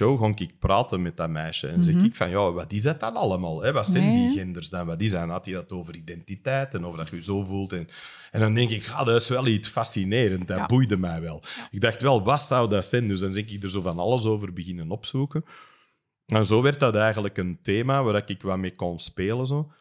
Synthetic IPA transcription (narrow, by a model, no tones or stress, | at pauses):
owɣɔŋkɪk̚praːtəmɛt̚damɛːʃə̰ɛnzɛxɪkfɑ̰njaːʋɑtɪzdɑtɑnɑlˠəmaːlˠɦɛʋɑtsɛndiɣɛndərzdɑnʋɑtɪsdɑnɦɑtjədɑtoːvəridɛntitɛːtənɔvrdɑtxəyzoːvulˠtɛn | ɛndɑndɛŋkɪkxa̰ːdɑɪsʋɛlˠisfasineːɾəntdabujdəmɛjʋɛlˠɪɡ̚daxtʋɛlˠʋɑtsɑwdasɛndʏzdɑnzɛkɪɡ̚dərzoːvɑnɑ̰ləsoːvərbəɣɪnənɔpsuːkən | ɛnzoːʋɛrtdɑtɛjɣənləkənteːmaːʋaːdaɪkɪkʋɑmeːkɔnspeːləzoː